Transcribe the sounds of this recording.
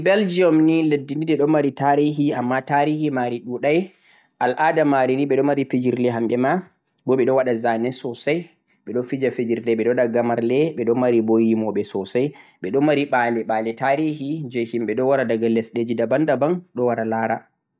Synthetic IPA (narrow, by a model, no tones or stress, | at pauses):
bɛld͡ʒiɔmniladːinidɛɗɔmaɾitaɾiɦiamːataɾihimaɾiɗuɗaj | ʔalʔadamaɾiniɓɛɗɔmaɾifid͡ʒiɾlɛɦamɓɛma | bɔɓɛɗɔwaɗazanɛsɔsaj | ɓɛɗɔfid͡ʒafid͡ʒiɾdɛɓɛɗɔɗaɡamaɾlɛɓɛɗɔmaɾibojimɔɓɛsɔsajɓɛɗɔmːaɾiɓalɛɓalɛtaɾihid͡ʒejhimɓɛɗɔwaɾadaɡalːɛsɗed͡ʒidabandabanɗɔwaɾalaːɾa